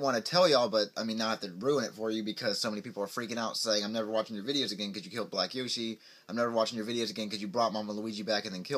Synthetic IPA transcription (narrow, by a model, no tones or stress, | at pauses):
wɑ̃nɨtʰɛlˠjɨɔlˠbʌt̚ʔaɪmĩnːət̪̚ðɨɹʉə̃nɨtfə˞jɨbɨkʰʌz̥soʊmɛnipipl̩ˠə˞fɹikɪ̃ŋaʊtseɪɪ̃ŋãɪ̃mnɛvə˞wɑt͡ʃɪ̃ŋjə˞vɪɾioʊzɨɡɛ̃nkʌzjɨkʰɪlˠd̚blækjoʊʃi | ãɪ̃mnɛvə˞wɑt͡ʃɪ̃ŋjə˞vɪɾioʊzɨɡɛ̃nkʰʌzjɨbɹɔt̚mɑ̃mə̃ləid͡ʒibækɨ̃nðɨ̃nkʰɪ